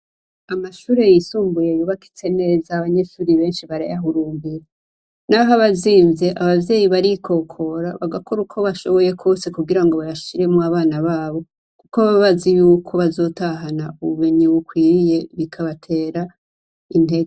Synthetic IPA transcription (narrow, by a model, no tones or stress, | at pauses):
amaʃuːɾe̞jisuːmbuje̞juβaki̥t͡se̞ne̞ːzaβaɲe̞ʃuːɾiβe̞ːnʃiβaɾa̰jaɦuɾuːmbiɾa | naɦaβaziːnze̞ʔaβavje̞ːjiβaɾikʰo̞kʰo̞ɾaβaɡako̞ɾukʰo̞βaʃo̞βo̞je̞kʰo̞ːse̞kuɡiɾaŋɡo̞βajaʃiɾe̞muaβaːnaβaːβo̞ | kukoβaβββazijuːkʰo̞βazo̞ːtaɦanauβumeɲiwukwiːɾije̞βikʰaβatʰe̞ːɾa | in̥eɡ